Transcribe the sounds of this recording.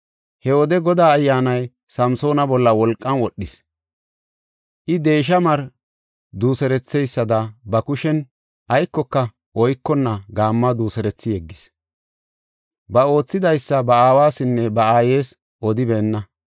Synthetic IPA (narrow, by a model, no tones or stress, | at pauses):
hɛwɔd̪ɛɡɔd̪aːɐjːaːnɐj | sɐmso̞ːnɐbɔlːɐwɔlkʼːɐnwɔɗːɪs | ʔɪd̪e̞ːʃ̬ɐmɐɾ | d̪uːsɛɾɛt͡sːɛjsːɐd̪ɐbɐkʊʃɛn | ʔɐjkːɔkːɐ | ʔɔjkːɔnːɐɡaːmːɐd̪uːsɛɾɛt͡sːɪjɛɡːɪs | bɐo̞ːt͡sːɪd̪ɐjsːɐbɐaːwaːsɪnːɛbɐaːje̞ːs | ʔɔd̪ɪbeːnːɐ